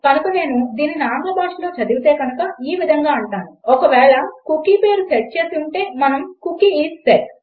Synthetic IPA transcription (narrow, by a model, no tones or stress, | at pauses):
kɐnukɐne̞ːnud̪iːninaːŋɡɐbaːʃlo̞ːt͡ʃɐd̪iʋut̪e̞ːɡɐnukɐiːʋid̪ʱɐŋɡaːɐɳʈaːnuɔkɐʋɛːɭɐkukiːpe̞ːɾuseʈ̚t͡ʃe̞ːsuɳʈe̞ːmɐnɐmkukiiːt̪seʈ